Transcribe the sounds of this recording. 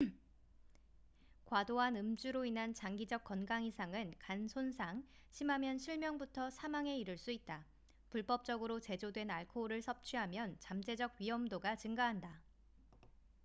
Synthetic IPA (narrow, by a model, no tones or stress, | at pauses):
kwadoɦanɯmd͡ʑuɾoinɦant͡ɕaŋɡid͡ʑʌk̚k͈ʌnɡaŋisʰaŋɯnkansʰonsʰaŋ | ɕʰimɦamjʌnɕʰiɭmjʌŋbutʰʌsʰamaŋe̞iɾɯɭs͈uit̚t͈a | puɭp͈ʌp̚t͡ɕ͈ʌɡɯɾot͡ɕe̞d͡ʑodwe̞naɭkʰouɾɯɭsʰʌp̚t͡ɕʰɥiɦamjʌnt͡ɕamd͡ʑe̞d͡ʑʌɡɥiɦʌmdoɡat͡ɕɯŋɡaɦanda